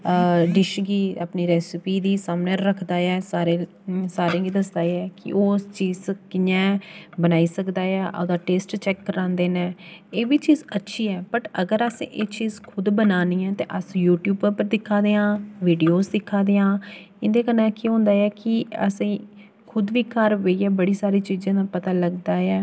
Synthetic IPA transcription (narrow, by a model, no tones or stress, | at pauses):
ɖɪʃɡiːaːpniːɾɛːsɪpiːd̪iːsaːmnɛːɾəkʰd̪aːɛːsaːɾeː | saːɾẽːɡiːd̪əsd̪aːɛːkɪ̰ʔoːst͡ʃiːzkɪjɛ̃ːbənaːiːsəkd̪aːɛːʔoːd̪aːʈeːsʈt͡ʃɛːkːəɾãːnd̪eːnɛ̃ːeːbiːt͡ʃiːzətːʃʰiːɛːpəʈəɡəɾəsḛ̃ːʔeːt͡ʃiːzkʰʊd̪bənaːniːɛ̃ːt̪eːʔəsjuːʈjuːbəpəɾd̪ɪkʰːaːd̪eːãːʋiːɖijoːzd̪ɪkʰːaːd̪eːãː | ɪnd̪eːkənɛ̃ːkɪɦõːnd̪aːɛːkɪəsĩː | kʰʊd̪ʋiːkəɾʋeiːɛːbəɽiːsaːɾiːt͡ʃiːzãːd̪aːpət̪aːləɡd̪aːɛː